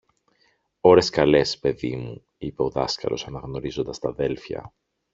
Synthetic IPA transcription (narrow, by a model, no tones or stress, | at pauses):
o̞ɾe̞skɐle̞spe̞ðimu | ipe̞o̞ðɐskɐ̰lo̞̰sɐnɐɣno̞ɾizo̞nd̪ɐst̪ɐðe̞lfçɐ̰